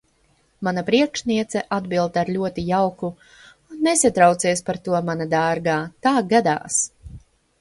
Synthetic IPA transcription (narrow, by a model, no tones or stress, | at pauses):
manapɾiɛkʃniɛt̪sɛʔad̪bilˠd̪aɾlʲuɔt̪ijawku | unːesat̪ɾawt̪siɛspaɾt̪uɔmanad̪aːɾɡaːt̪aːɡad̪a̰ːs